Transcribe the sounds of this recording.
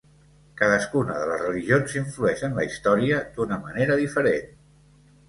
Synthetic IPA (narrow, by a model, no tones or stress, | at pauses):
kaðəskunə̰ðələzrəliʒionziɱfluɛʃənləist̪ɔɾiəd̪̥unəməneɾəðifəɾen